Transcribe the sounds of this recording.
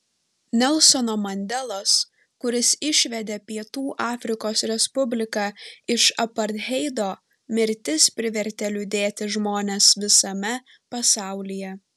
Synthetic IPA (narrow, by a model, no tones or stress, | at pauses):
nʲɛlˠsɔnoːmɐnʲd̪ʲɛlˠoːs | kʊɾʲɪsɪʃʲʋʲɛd̪ʲeːpʲiɛt̪uːʔɑːfʲɾʲɪkoːsɾʲɛspʊbʲlʲɪkɑːɪʃɐpɐɾd̪ʲɦʲɛɪd̪oː | mʲɪɾʲt̪ʲɪspʲɾʲɪʋʲɛɾʲt̪ʲɛlʲʊd̪ʲeːt̪ʲɪʒmoːnʲesʋʲɪsɐmʲɛ | pɐsɑˑʊlʲɪjɛ